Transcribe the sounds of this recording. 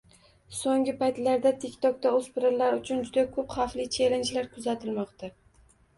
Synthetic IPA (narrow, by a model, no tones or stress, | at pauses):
soŋɡʲɪpajt̪laɾd̪at̪ʰɪkʲt̪ʰɒk̚t̪aospɪɾalaɾʊt͡ʃʰʊnd͡ʒʊd̪akʰɵpχaflɪt͡ʃʰelent͡ʃlaɾkʰʊzat̪ʰɪlmɒqt̪ʰa